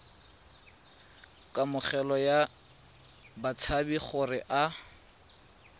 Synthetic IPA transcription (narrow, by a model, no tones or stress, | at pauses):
kʼamʊχɛlɔja | bat͡sʰabiχʊrɪʔa